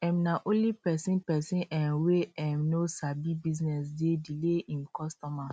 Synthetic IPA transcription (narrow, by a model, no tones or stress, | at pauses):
ɛmnãʔõlipɛsĩnpɛsĩʔɛ̃nweɛmnosabibiznɛsdedileĩnkɔstɔma